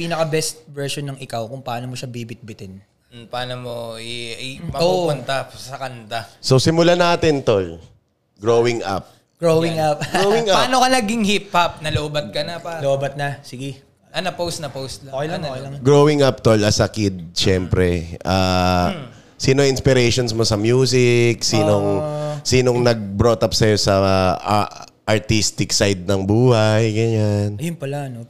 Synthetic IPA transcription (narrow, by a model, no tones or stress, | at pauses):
pinɐkɐbɛst̪̚vɛɹʃonːɐŋʔɪkawkʊŋpɐaːnomoʃabibɪt̪̚bɪt̪ɛn̩ | pɐaːnomoɛɐjmɐoːuʊnt̪asɐkɐnt̪asosɪmʊlanaːt̪ɪnt̪ol | ɡɹowɪŋʔa̰p̚ | ɡ̥ɹowwɪŋapɡɾowɪŋapaːnokɐnɐɡɪŋhiphap̚nɐlobɐt̪̚kɐnɐloobɐt̪̚nɐsɪɡɛ | ʔɐnɐpowst̪nɐpowst̪loɐjlaɐɡɹowɪŋʔap̚t̪olɐsɐkɪd̪̚ʃɛmpɾɛʔaː | siːnoʔɪnspɪɾɛjʃonsmo̞sɐmjuːs̬ɪk̚siːnoŋsiːnoŋnɐɡ̚bɾo̞t̪ɐpsɐjo̞sɐ | ʔɐɹt̪ist̪ɪksajd̪̚nɐŋbuːhajɡɐɲanɐjʊnpɐlaɐno